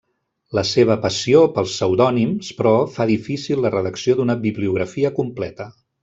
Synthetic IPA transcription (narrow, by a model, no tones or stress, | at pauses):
ləseβ̞əpəsiopəlˠsːəwðɔnimspɾɔfaðifisilˠːərəðəksiod̪unəbiβliuɣɾəfiəkumplɛt̪ə